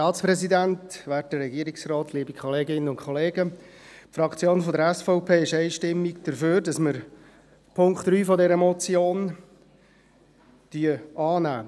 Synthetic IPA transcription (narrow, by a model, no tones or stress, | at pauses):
tɑːtt͡spɾɛsidæntʋæːt̚ərɾɛɡiəɾɪksrɔːtʰliːbikʰχɔleːɡɪnːənʊnkʰχɔleːɡə | pfɾɑkt͡sjoːnfɔdəɾɛsfɔʊpʰeːɪʃæɪʃtɪmːikd̥əɾføːɾdɑsməɾ | pʰʊŋkt̪ɾyːfɔdɛɾəmɔt͡sjoːn | d̥yəɑːnæ̰ː